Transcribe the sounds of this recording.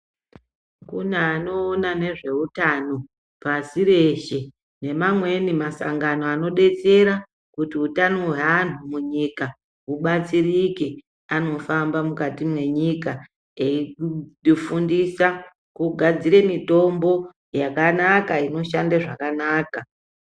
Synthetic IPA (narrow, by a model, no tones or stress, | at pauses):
kunaːno̞ːnane̞ʐe̞utano̞ | pasiɾe̞ʃe̞ | ne̞mamwe̞nimasa̰ŋɡano̞ano̞ɗe̞t͡se̞ɾa | kutiutanoɦwean̤umuɲika | uɓat͡sirike | ano̞fambamukatimwe̞ɲika | eiifundisa | kuɡʱad͡ziɾe̞mito̞mbo̞ | jakanakaino̞ʃandaʐakanaːka